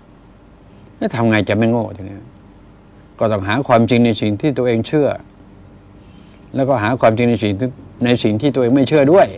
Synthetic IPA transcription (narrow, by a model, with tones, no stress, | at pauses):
naː˦˥˩t̪ʰa˧mŋa˧jt͡ɕa˨˩ma˥˩jŋoː˥˩t͡ɕa˨˧˩ni˦˥ | kɔː˧˩t̪ɔː˥˩ŋɦaː˩˦kʰwaː˧mt͡ɕi˧ŋna˧jsi˨˩ŋt̪ʰiː˥˩t̪u˧ɐʔeː˧ŋt͡ɕʰɯ˥˩ɐ | lɛː˦˥wkɔː˥˩ɦaː˩˦kʰwaː˧mt͡ɕi˧ŋna˧jsi˨˩ŋna˧jsi˨˩ŋt̪ʰiː˥˩u˧ʔːŋma˥˩jt͡ɕʰɯ˥˩ɐdu˥˩əj